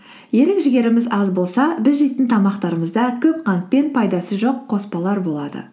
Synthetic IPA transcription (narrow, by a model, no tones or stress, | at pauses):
je̞lɪkʒɪɡʲe̞ɾɪmɪzɑzbo̞lˠsɑbɪzʒejt̪ɪnt̪ʰɑmɑqt̪ɑɾəməzd̪ɑkʲʰɵp̚qʰɑnt̪̚pe̞npʰɑjd̪ɑsəʒo̞qʰːo̞spɑlˠɑɾbo̞lˠɑd̪ə̰